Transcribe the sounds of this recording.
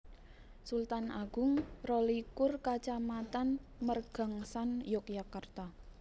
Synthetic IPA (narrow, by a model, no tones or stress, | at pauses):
sult̪anaɡ̥ʊ̤ŋrolikʊrkat͡ʃamat̪anmərɡ̥a̤ŋsanjɔkjakart̪a